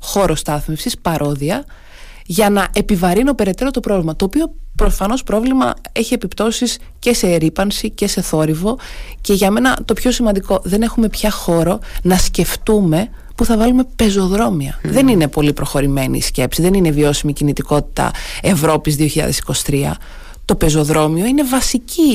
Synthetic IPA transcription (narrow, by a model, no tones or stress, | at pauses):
xo̞ɾo̞st̪ɐθmefsispɐɾʔo̞ðiɐ | ʝɐnɐʔe̞pivɐɾino̞pe̞ɾe̞t̪e̞ɾo̞t̪o̞pɾo̞vlimɐt̪oːpio̞pɾo̞fɐno̞spɾo̞vlimɐ̰e̞çie̞pipt̪o̞sis | ce̞se̞ɾipɐnsice̞se̞θo̞ɾivo̞ce̞ʝɐme̞nɐt̪o̞pço̞simɐnd̪iko̞ðe̞ne̞xume̞pçɐxo̞ɾo̞nɐsce̞ft̪ume̞ | puθɐvɐlume̞pe̞zo̞ðɾo̞miɐðe̞nine̞po̞lipɾo̞xo̞ɾimenḭsce̞psiðe̞nine̞vio̞simicinit̪iko̞t̪i̥t̪ɐ̰e̞vɾo̞pizðioçiʎɐ̰ðesi̥ko̞si̥t̪ɾiɐ̰ | t̪o̞pe̞zo̞ðɾo̞mio̞ine̞vɐsici